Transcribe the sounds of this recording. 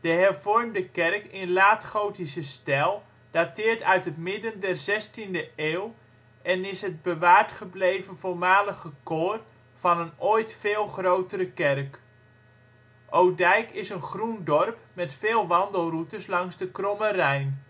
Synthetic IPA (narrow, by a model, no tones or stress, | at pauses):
d̥əɦɛrv̥ɔrmdəkɛrkɪnlaːtχowtisəstɛlˠ | d̥atɪːɹtœɥtɦətmɪdəndɛrzɛstindəeːw | ɛnɪsɦəd̚bəʋaːrtχəblejvənvolˠmaːləχəkoːr | v̥ɑnənojtfeːlˠχrowtəɾəkɛrk | ʔowdɛjkɪsənχrundɔrpmɛtfeːlˠʋɑndəlˠrutəslɑŋzdəkrɔmərɛjn